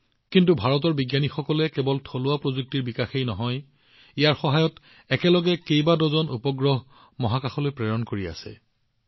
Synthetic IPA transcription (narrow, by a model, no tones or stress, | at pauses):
kintubʱaɹɔtɔɹbiɡjanixɔkɔlɛkɛbɔltʰolʊapɹozuk̚tiɹbikaxejnɔɦɔj | ijaɹxɔɦajɔt | ɛkɛlɔɡɛkejbadɔzɔnupɔɡɹɔɦ | mɔɦakaxɔlojpɹɛjɔnkoɹia̰sɛ̰